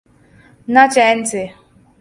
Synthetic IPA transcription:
nat͡ʃɛn̩tɪ

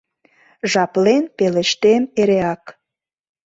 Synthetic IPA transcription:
ʒɑplenpeleʃt̪emeɾeɑk

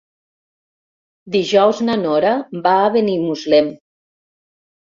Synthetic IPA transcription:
d̪iʒɔwznanɔɾabaːβenimuzlɛm

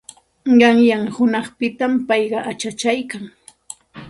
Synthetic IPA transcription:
ɢɑŋjaŋhʊnɑχpɪt̪ampɑjɢɑʔat͡ʃat͡ʃajkaŋ

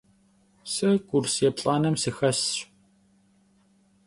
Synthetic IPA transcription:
sɨɡʷʼʊrsjɛpɬʼaːnɐmsɨxɐsɕ

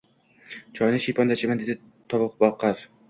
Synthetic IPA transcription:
t͡ʃʰɒjnɪʃijpʰɒnd̪at͡ʃʰɪmand̪ed̪ɪ | t̪ʰɒvʊqbɒlˠqɑɾ

